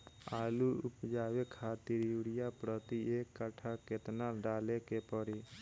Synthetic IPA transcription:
aːluʊpd͡ʒaːwekʰaːt̪iɾjuɽɪjapɾət̪ieːkːəʈʰaket̪naɖaːlekepəɾi

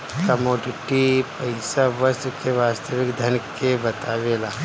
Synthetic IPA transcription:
kɐmoːɖɪʈipɐɪsaʋɐst̪keʋaːst̪əʋɪkd̪ʱɐnkebɐt̪aːʋelaː

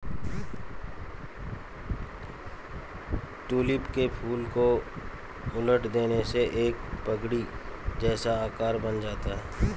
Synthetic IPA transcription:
ʈuːlɪpkepʰuːlko | ʊləʈʰd̪eːneseʔeːk̚pəɡɽid͡ʒɛːsaaːkaːɾbɐnd͡ʒaːt̪aɦɛː

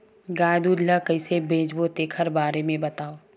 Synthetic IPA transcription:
ɡaːjd̪uːd̪lakɐɪsebʱeːd͡ʒbot̪eːkʰəɾbaːɾemẽbɐt̪aːoː

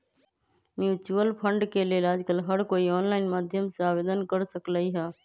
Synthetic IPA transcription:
mjuːt͡ʃuəlpʰə̃ɳɖkelielaːd͡ʒkəlɦəɾkoːiɔːnlaːɪnmaːd̪ʱjəmseaːʋeːd̪ənkəɾsəklaːiɦɛː

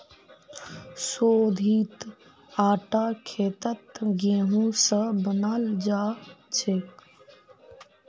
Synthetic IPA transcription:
soːd̪ʱiːt̪ | aːʈaːkʰeːt̪ət̪ɡẽːɦũːsəbənaːld͡ʒaːt͡ʃʰeːk

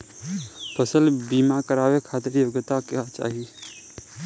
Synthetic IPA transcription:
pʰəsəlbimakəɾawekʰat̪əɾjoɡt̪aket͡ʃa̰ɦi

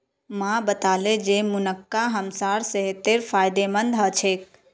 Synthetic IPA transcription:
mãbət̪aled͡ʒemunəkːaɦəmsaɾseɦet̪eɾfʰajd̪emənd̪ʱɦət͡ʃʰek̚

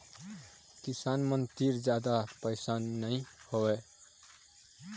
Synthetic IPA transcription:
kisanmənt̪iɾd͡ʒjad̪apəɪsanːəihoe

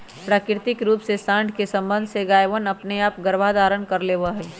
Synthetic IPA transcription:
pɾaːkɪɾt̪ɪkɾuːpsesãːnd̪ʱkesɐ̃mbə̃nd̪ʱseɡaːjʋənɐpneaːpɡəɾʋad̪aːɾənkəɾleːʋaɦɛː

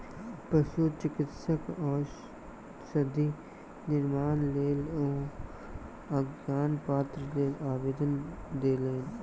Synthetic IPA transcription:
pəʃut͡ʃɪkɪt̪səkɔːɾ | ʃəd̪ʱi | nɪɾmaːnleːlɔː | ɐɡjaːnpaːt̪ɾəleːlaːʋeːd̪ənd̪eːleːn

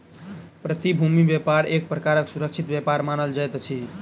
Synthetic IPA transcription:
pɾət̪ibʱumibepaɾek̚pɾəkaɾəksuɾək̚t͡ʃʰit̪bjepaɾmanəld͡ʒajt̪t͡ʃʰi

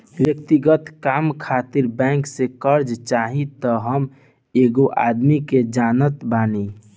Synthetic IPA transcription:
wjəkt̪iɡət̪kaːmkʰaːt̪iɾbɛ̃ŋksekəɾd͡ʒt͡ʃaːɦit̪əɦəm | eːɡoʔa̰d̪miked͡ʒaːnət̪baːni

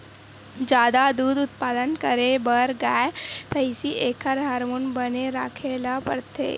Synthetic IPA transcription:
d͡ʒaːd̪ad̪uːd̪ʊt̪paːd̪ənkəɾebəɾɡaːjpʰəɪsiʔeːkʰəɾɦaːɾmoːnbəneɾaːkʰelapəɽt̪ḛː

